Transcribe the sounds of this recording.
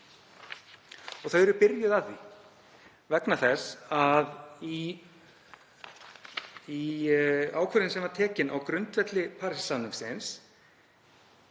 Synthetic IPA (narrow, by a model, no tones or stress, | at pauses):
ɔɣθœðɛɾʏpɪɾjʏðavθi | vɛknaθɛsaði | i | aːwkʰœɾɪnsɛmvaɾt̪ʰɛːcɪna̰wkɾʏnt̪vɛt̪lɪpʰaɾssanʏmsɪns